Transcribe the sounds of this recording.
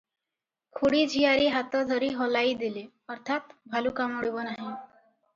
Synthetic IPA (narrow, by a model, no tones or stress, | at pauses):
kʰuɽiːd͡ʑʱijaɾiːɦat̪ɔd̪ʱəɾiɦɔlaid̪ile | əɾt̪ʰat̪bʱalukamɔɽibɔnaɦi